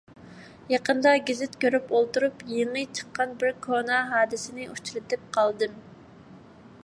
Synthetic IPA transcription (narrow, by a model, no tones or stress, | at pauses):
jɑqənd̪ɑɡʲizɪt̪kʲʰøɾypolˠt̪uɾupjeŋːɨt͡ʃʰə̥qːɑnbɪɾkʰonɑɦɑːd̪ɪsɪnɪʔut͡ʃʰlɨt̪ʰɪp̚qʰɑlˠd̪ɨm